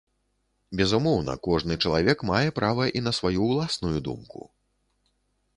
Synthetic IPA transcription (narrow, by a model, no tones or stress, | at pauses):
bʲɛzumɔwnɐ̰kɔʐnɨt͡ʂɐlˠavʲɛkmajɛpɾavɐʔinɐsvajuːlˠasnujud̪ṵmkṵ